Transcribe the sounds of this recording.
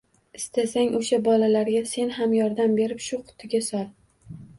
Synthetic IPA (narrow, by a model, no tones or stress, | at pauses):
ɪst̪ʰasaŋʔoʃabɒlalaɾɡʲase̞nɦamjɒɾd̪ambe̞ɾɪpʃʊqʰʊ̥t̪ʰɪɡʲasɒlˠ